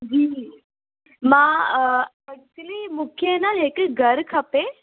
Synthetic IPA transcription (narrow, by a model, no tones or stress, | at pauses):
d͡ʑiː | mã | ɐk̚t͡ʃəlimʊkʰjenaeːkɡʱɐɾkʰɐpe